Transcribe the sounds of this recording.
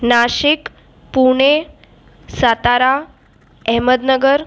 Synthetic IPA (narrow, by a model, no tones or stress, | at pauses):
naɕik | puɳ̃e | sat̪aɾa | ɛɦməd̪nəɡəɾ